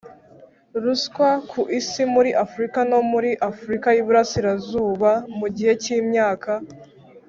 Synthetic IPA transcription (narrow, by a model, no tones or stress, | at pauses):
ɾuskwakʰuʔisimuɾiʔafuɾikano̞muɾiʔafuɾikajiβuɾasiɾazuːβamuɟihe̞ciːmɲaːka